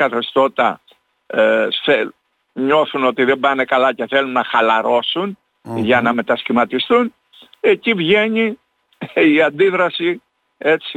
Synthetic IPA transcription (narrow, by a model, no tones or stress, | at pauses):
kɐθest̪o̞t̪ɐ̰ | θe | ɲo̞θuno̞t̪iðe̞bɐne̞kɐlɐce̞θe̞lunːɐxɐlɐɾo̞sun | ʝɐnɐme̞t̪ɐscimɐt̪ist̪un | e̞civʝe̞ɲi | iɐnd̪iðɾɐsi | e̞t͡si